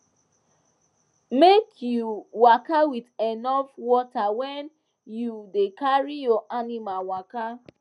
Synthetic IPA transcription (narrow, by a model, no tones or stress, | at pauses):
mekʰjuwakawidɛnɔfwɔtawɛn | judekaɹijɔʔanimalwaka